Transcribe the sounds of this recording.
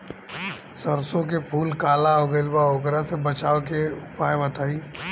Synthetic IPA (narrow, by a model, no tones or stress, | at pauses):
səɾsõk̬epʰuːlkaːlaoɡəlbaoːɡɾasebɐt͡ʃaːokeʊpaːjbɐt̪aːiː